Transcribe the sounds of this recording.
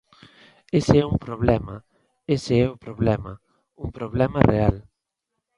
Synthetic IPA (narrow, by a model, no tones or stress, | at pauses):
eseɛumpɾoβlɛmɐ | eseɛʊpɾoβlɛmɐ | uŋpɾoβ̞lɛmɐreal